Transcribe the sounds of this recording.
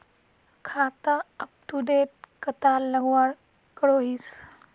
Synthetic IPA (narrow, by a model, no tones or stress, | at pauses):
kʰat̪aəp̚ʈuɖeʈ̚kət̪alːəɡʋaɾ | kəɽoɦiːs